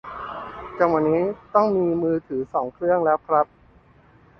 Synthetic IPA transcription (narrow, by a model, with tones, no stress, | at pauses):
t͡ɕa˧ŋwa˧nːiː˦˥t̪ɔ˥˩ŋmiː˧mɯː˧t̪ʰɯː˩˦sɔː˩˦ŋkʰɾɯ˥˩əŋlɛː˦˥wkʰɾa˦˥p̚